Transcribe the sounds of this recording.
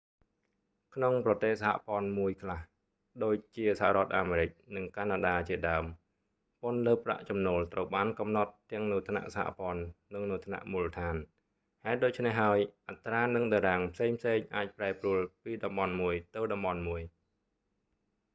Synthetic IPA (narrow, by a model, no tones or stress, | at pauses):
kʰnoŋprɑt̪eːhsaha̰pŏənmuəjkʰlah | ɗoːc̚t͡ɕiəsaha̰ʔɾŏət̪̚ʔaːmeːɾɨc̚nɨŋkanaɗaːt͡ɕiəɗaəm | pŏnləːpːra̰ʔt͡ɕɑmnoːlt̪rəwɓaːnkɑmnɑt̪ːɛ̆əŋnut̪ʰna̰ʔsaha̰pŏənːɨŋnut̪ʰna̰ʔmuːlət̪ʰaːn | haɛt̪̚ɗoːc̚t͡ɕʰnehɦaəjʔat̪raːnɨŋɗaɾaːŋpʰseːŋpʰseːŋʔaːc̚praɛpruəlpiːɗɑmɓɑnmuəjt̪ɨwɗɑmɓɑnmuəj